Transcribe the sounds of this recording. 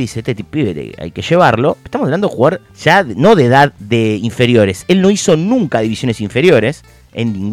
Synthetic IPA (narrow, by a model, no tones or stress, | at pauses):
ðiseet̪et̪ipieɾḛa̰jkeʃe̞βaɾlo̞e̥st̪amsaβland̪oexuɣaɾ | ʒ̥ano̞ðeðaððeiɱfe̞ɾjo̞ɾe̞selno̞iso̞nũŋkaðiβisjo̞nesiɱfe̞ɾjo̞ɾes | ḛnːĩŋɡ